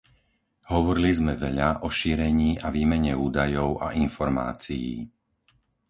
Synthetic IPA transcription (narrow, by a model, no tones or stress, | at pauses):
ɦɔʋɔɾilizmɛʋɛʎaʔɔʃiːɾɛɲiːʔaʋiːmɛɲɛuːd̪ajɔʊa̰ʔinfɔɾma̰ːt͡sijḭː